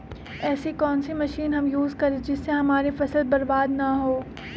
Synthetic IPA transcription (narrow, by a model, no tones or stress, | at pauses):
ɛːsekɔːnsemɐʃiːnɦɐmjuːzkɐɾẽd͡ʒɪsːeɦɐmaːɾefɐsəld̪̚bɐɾbaːd̪naɦoː